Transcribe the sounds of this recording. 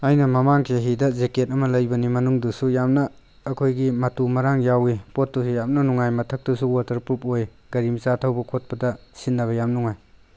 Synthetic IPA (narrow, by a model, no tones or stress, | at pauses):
ajnɐmɐmaŋkʰeɦidɐzeket̚ɐmɐlɐjbɐnimɐnuŋdusujamnɐː | kʰojɡimɐtumɐɾaŋjawipot̚dusujam̚nɐnuŋajmɐtʰɐk̚tusuwatɐɾpupoj | ɡɐɾimsatʰɐwbɐkʰot̚pɐdɐsinːɐβɐjamnuŋaj